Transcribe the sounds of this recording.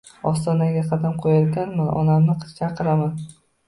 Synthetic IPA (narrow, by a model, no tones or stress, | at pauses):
ɒst̪ɒnaɡʲaqʰɑd̪amqʰojaɾɡʲanmanɒ̰namnɪqʰɨ̥t̪t͡ʃʰaqʰːɨlaman